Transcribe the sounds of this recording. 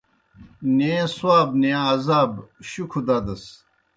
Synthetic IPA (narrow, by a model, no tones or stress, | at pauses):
nẽswaːbneãɐzaːbɕukʰud̪aːd̪ɐs